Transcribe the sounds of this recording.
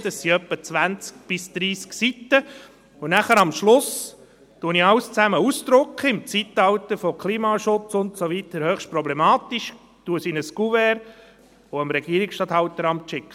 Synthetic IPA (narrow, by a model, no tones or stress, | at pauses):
d̥̪əsːiœpːət͡sʋænt͡sk̚b̥ɪsd̪̥ɾiːsksit̪ːə | ʊnæχəɾɑmʃlʊs | tuəniɑwst͡sæməusd̪ɾʊkχəɪmt͡sit̪ɑwt̪əɾfɔkʰliːmɑʃʊt͡sʊntsovit̪əɾhøχʃtpɾɔblɛmɑːt̪iʃ | tuəsinəskuvɛɾ | ɔəmɾɛɡ̥iəɾiksʃtɑːt̪hɑwt̪əɾɑmtʃɪkχə